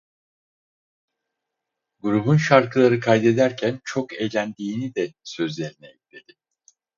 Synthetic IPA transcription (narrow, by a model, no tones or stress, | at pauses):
ɡuɾubunʃaɾkʰɯlˠaɾɯkʰajd̪e̞d̪æɾcʰænt͡ʃʰo̞ke̞jlʲænd̪iːnid̪ɛsø̞zlʲe̞ɾinɛt̪lʲe̞d̪̥ɪ